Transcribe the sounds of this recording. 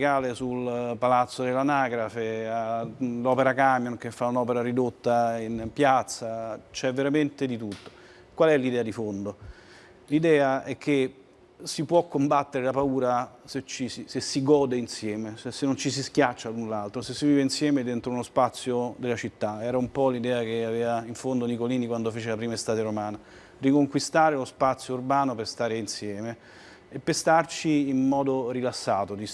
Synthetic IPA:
kaːlesulpalat̪sːod̪elanaːɡɾafealɔːpeɾakamjonkefːaunɔːpeɾaɾid̪ot̪ːainpjat̪sːat͡ʃɛvːeɾament̪ed̪it̪ut̪ːo̥ | kwalɛlid̪ɛːad̪ifond̪o | lid̪ɛːaɛkʰːe | sipwɔkːombat̪ːeɾelapauːɾaset͡ʃːisisesːiɡɔːd̪einsjɛːmeɛsenːont͡ʃisiskjat͡ʃːalunlalt̪ɾosesːiviːveinsjɛːmed̪ent̪ɾounospat̪sːjod̪elat͡ʃit̪ːaɛːɾaumpɔlid̪ɛːak̟eavɛːvaiɱfond̪onikoliːnikwand̪ofeːt͡ʃelapɾiːmaest̪aːt̪eɾomaːna | rikoŋkwist̪aːɾelospat̪sjourbaːnoperst̪aːɾeinsjɛːme | epːest̪art͡ʃiːnmɔːd̪orilasːaːt̪od̪i

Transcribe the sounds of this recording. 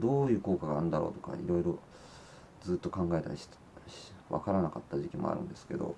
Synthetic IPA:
d̪o̞ːjɯ̟ːko̞ːkaɡaːɯ̃nd̪aɾo̞̰ːt̪o̞ka̰ʔḭɾo̞iɾo̞ | d͡zɨːt̪ːo̞kãŋɡae̞t̪a̰ɾʲiɕt̪ | βa̰kaɾanakat̪ːaʑikʲimo̰a̰ɾɯ̟̰̃nd̪e̞sɨ̥ke̞̰d̪o̞̰

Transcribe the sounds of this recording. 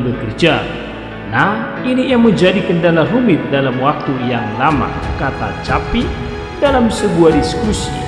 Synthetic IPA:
bəkərd͡ʒa | nah | inijaŋməɲd͡ʒadikəndalarumit̪̚dalamwak̚t̪ujaŋlama̰kat̪at͡ʃapi | dalamsəbuadiskusḭ

